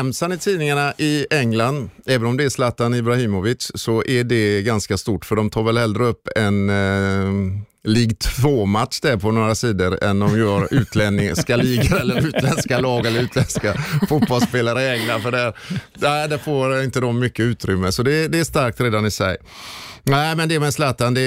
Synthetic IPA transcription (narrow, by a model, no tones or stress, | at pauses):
ɛmsanɪt̪ʰiːnɪŋaɳaʔɪɛŋland̪ɛːvənɔmd̪ɛːslaːt̪anɪbɾahiːmɔvɪt̪ssɔʔæɖɛɡanskast̪uːʈːfœɖɔmt̪ʰɑːɾvɛlhɛld̪ɾəɵpːɛn | liːɡt̪ʰvoːmat̪ʂd̪æɾpʰɔnoːɾasiːd̪əɾɛ̰nd̪ɔmjœːɾʉ̟ːt̪ʰlɛnɪskaliːɡaɾɛlːəɾʉ̟ːt̪ʰlɛnskalɑːɡɛlːəɾʉ̟ːt̪lɛnskafʊt̪̚bɔlspeːlaɾəɪɛŋlanfœɖɛɾ | næɪd̪ɛfoːɾɪnt̪əd̪ɔmːʏkːəʉ̟ːt̪ɾʏmːəsɔd̪ɛd̪ɛːʂt̪aɾk̚t̪ɾeːd̪anɪsɛ̰j | næɪmɛnd̪ɛmɛslaːt̪and̪ɛ